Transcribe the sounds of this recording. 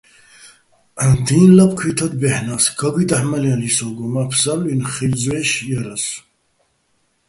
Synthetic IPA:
and̪iːnlapkʰwit̪ʰad̪̚bɛħnasɡʰaɡid̪aħmalialisɔɡɔmapʰsalinχilzwɛːʃjaɾas

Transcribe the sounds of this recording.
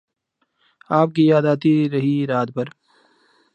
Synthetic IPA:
aːp̚kijaːd̪aːt̪iɾɐɦiɾaːt̪̚pɐɾ

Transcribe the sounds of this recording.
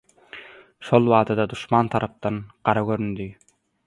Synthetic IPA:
ʃolˠβɑːt̪ʰɑd̪ɑd̪uʃmɑnt̪ʰɑɾɑp̚t̪ɑnqɑɾɑɡøɾynd̪y

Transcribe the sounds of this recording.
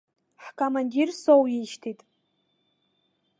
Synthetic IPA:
ħkʰʼomandʲirsowjiʃtʰitʼ

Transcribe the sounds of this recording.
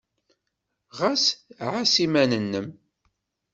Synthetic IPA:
ʁasʕasimænənːəm

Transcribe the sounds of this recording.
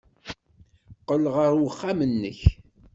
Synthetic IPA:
qəlʁəɾwəχːamənːə̰ç

